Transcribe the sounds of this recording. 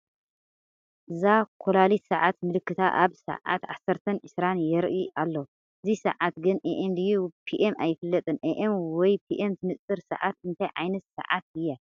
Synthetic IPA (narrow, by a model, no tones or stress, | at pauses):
ʔɨzakʰolalit̪sɐʕat̪mɨlɨkːɨt̪ʰaʔaβsɐ̰ʕa̰t̪ʕa̰sɐɾt̪ʰɐnʕɨsɾanjɛɾʔiʔalːo | ʔɨzisɐ̰ʕat̪ɡɨnʔeʔemdɨjːupʰiʔemajːɪfɨlːɐt̪ʼɨnʔeʔemwɔjpʰiʔemt̪ʰɨnɨt͡sʼːɨɾsɐ̰ʕat̪ɨnt̪ʰajʕa̰jnɐt̪sɐ̰ʕa̰t̪̚ɨjːa